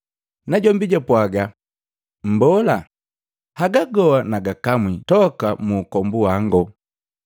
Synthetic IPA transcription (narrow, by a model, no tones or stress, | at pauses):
naɟɔmbiɟapwaɡa | m̩bɔla | haɡaɡɔwanaɡakamwitɔkamuːkɔmbuaŋɡɔ